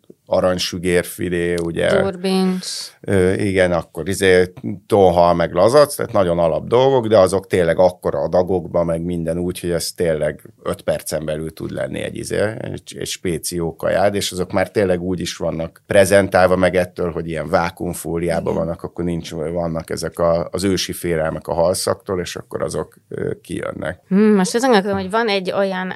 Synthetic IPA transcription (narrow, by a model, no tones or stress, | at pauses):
ɒɾɒɲʃyɡeːrfileːuɟɛ̰binøːiɡɛnɒkːo̞ɾizeːt̪oɦɒmɛɡlɒzɒt̪st̪ɛ̰ːt̪nɒɟo̞nɒlɒbd̪o̞lɡo̞ɡd̪ɛɒzo̞kt̪eːlɛɡɒkːo̞ɾɒd̪ɒɡo̞ɡbɒmɛɡmind̪ɛnuːcho̞ɟɛst̪ːeːlːɛɡøt̪pɛrt̪sɛmbɛlylt̪ṵd̪lɛ̰nːḭɛ̰ɟḭzḛːɛ̰ɟɛ̰cʃpeːt̪sioːkɒ̰ja̰ːd̪eːʃɒzo̞kmaːrt̪eːlːɛɡuːɟiʃʋɒnːɒkprɛzɛnt̪aːlvɒmɛɡɛt̪ːøːlɦo̞ɟijɛɱvaːkuɱfuːlijaːbɒ̰vɒnːɒkɒkːo̞rnint͡ʃvɒnːɒkɛzɛkɒːzøːʃifeːlɛlmɛkɒ̰ɦɒlsɒ̰kt̪oːleːʃɒ̰kːo̞ɾʔɒ̰zo̞kː | ḭjø̰nːʔɛ̰k̩ːmoʃt̪ɒzɒŋɡɒlkod̪omhoɟvɒnɛɟːo̞jɒn